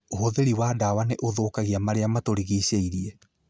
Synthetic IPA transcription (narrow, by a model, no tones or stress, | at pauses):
oɦoðeɾiwadawaneʔoðoːkaɣiamaɾeamatoɾiɣiseiɾiɛ